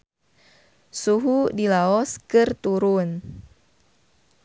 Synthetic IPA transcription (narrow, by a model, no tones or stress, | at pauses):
suɦudilaɔskɨrt̪uɾun